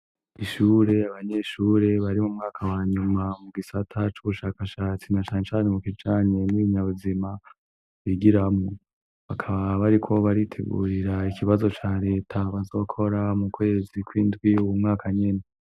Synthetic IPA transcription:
iʃuːɾe̞aβaɲe̞ʃuːɾe̞βaɾimumŋaːkʰawaːɲumamuɡisatʰat͡ʃuβuʃaːkaʃaːt͡sinat͡ʃaːɲet͡ʃaːnemukid͡ʒaːɲe̞mwiɲaβuzima | βiɡiɾamŋo | βakʰaβaβaɾikʰo̞βaɾitʰḛɡṵːɾiɾaikʰiβazo̞t͡ʃaːɾe̞ːtʰaβazo̞ːkʰo̞ɾamukwe̞ːzikwiːndɡwiuwumŋaːkʰaɲene

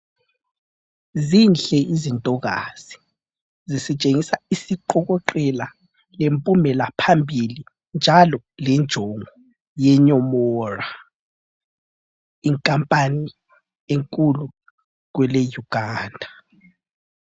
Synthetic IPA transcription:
zinɬɛizintʼɔɣaz̥i̥ | zisit͡ʃʼeŋisaisiǃɔɣɔǃɛla | lempʼumɛlapʰambʱili | nd͡ʒʱalɔlɛnd͡ʒʱɔŋʱɔ | jɛɲɔmɔːra | iŋkʼampʼani | eŋkʼulu | ɣwɛlejuɡ̥ʱaːndʱa

